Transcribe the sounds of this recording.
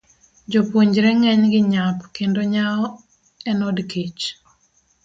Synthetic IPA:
d͡ʒopwoɲd͡ʒɾɛŋɛɲɡɪɲapkendoɲaɔ | ɛnɔdket͡ʃ

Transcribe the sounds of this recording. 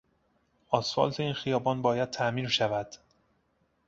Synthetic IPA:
ʔɒːsfɒ̰ːlt̪ʰe̞iːnxijɒːbɒːnbɒːjæd̪̥̚t̪ʰæʔmiːɾʃævæd̪̥

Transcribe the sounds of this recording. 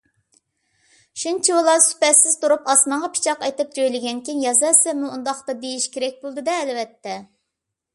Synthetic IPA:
ʃunt͡ʃʰiolˠɑsy̥pɛsɪz̥t̪ʰuɾupɑsnəŋʁɑpʰi̥t͡ʃʰɑqɑjt̪ɨp̚d͡ʒojlɪɡʲɛnkʲinjɑzɛsɛmuːnd̪ɑχt̪ɑd̪ejiʃkʲʰeɾɛk̚ʲbolˠd̪ɨd̪ɛːlvɛt̪ʰːɛ

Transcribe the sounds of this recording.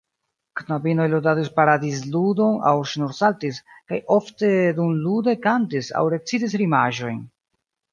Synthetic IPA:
knabino̞jlodadispaɾadis̬ludo̞na̰wʃnuɾsaltiskajo̞fte̞dumlude̞kantisa̰wɾe̞t͡sidis̬ɾimaʒo̞jn

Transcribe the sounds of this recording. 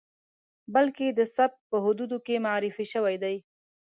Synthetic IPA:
balked̪əsab̚pəɦʊd̪ud̪okemaʕɾɪfiʃəwajd̪aj

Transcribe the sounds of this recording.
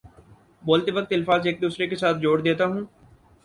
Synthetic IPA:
boːlt̪eʋək̚t̪ɪlfaːzeːk̚d̪uːsɾekesaːt̪̚ʰd͡ʒoːɽd̪eːt̪aɦũː

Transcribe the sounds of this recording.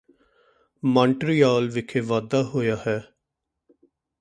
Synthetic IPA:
mãːɳʈɾijaːlʋɪkʰeːʋaːd̪aːɦoːjaːhɛː

